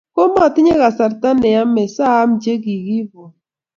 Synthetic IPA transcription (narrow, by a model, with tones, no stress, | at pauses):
ko˦mɔ˦˨tɪ˦ɲe˦ɣa˨sa˨ɾta˦nɛ˨ja˦me˨saː˦md͡ʒe˦ɡi˨ɡi˦bo˨